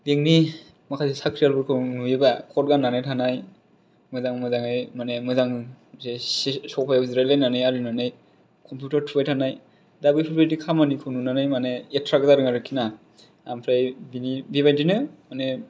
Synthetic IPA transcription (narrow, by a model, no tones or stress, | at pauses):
beŋni | makʰazesakʰɾijalbɔɾkʰɯnuebakʰɔt̚ɡanːanajtʰanaj | mɯjzaŋmɯjzaŋajmanemɯjzaŋzesɔkpʰajazɾalajnanɯjaɾinanɯj | kʰɔmpʰjutaɾtʰubajtʰanaj | dabɯpʰipʰadikʰamanikʰɯnunanajmaneetʰɾakzaɾɯŋaɾɯkʰina | ampʰɾajbinibibajdinɯmane